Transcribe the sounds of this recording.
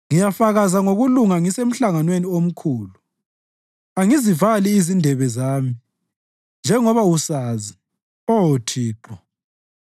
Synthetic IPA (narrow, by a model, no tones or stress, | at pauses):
ŋijafaɣazaŋoɣuluŋaŋisem̩ɬaŋanweniom̩kʰuːlu | aŋizivaliːzindʱɛβɛzaːmi | nd͡ʒʱɛŋɔβausaːzi | ɔwotʰiːǃɔ